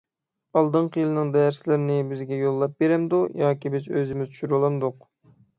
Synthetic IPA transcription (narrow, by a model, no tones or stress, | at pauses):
ɑlˠd̪ɨɴqʰəjɨlˠɨnɨŋd̪ɛjɛɾsɪlɪɾnɪbɪzɡʲɛjolˠːɑp̚beɾɛmd̪ujɑːkʲibɪzøzɪmɪztt͡ʃʰʃyɾlˠɑmd̪ʊq